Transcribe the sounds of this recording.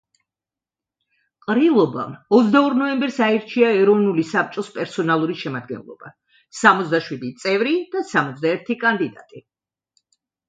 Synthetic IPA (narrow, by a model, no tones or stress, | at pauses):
qʼɾilˠɔba̰mɔt̪sʰd̪aɔɾnɔɛmbɛɾsaɛɾt͡ʃʰiaɛɾɔvnulisap̚t͡ʃʼɔspʼɛɾsɔnalˠuɾiʃɛmad̪̚ɡɛ̰nlˠɔ̰b̥a̰ | samɔt̪zd̪aʃwid̪it̪sʼɛvɾid̪̥asamɔt̪s̬ʰd̪aɛɾt̪ʰikʼand̪id̪at̪ʼi